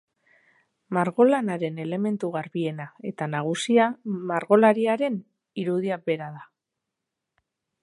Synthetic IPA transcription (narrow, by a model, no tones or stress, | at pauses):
maɾɣo̞lanaɾe̞ne̞le̞me̞nt̪uɣaɾβie̞nae̞t̪anaɣ̞usiamaɾɣo̞laɾiaɾe̞n | iɾuð̞iabe̞ɾaða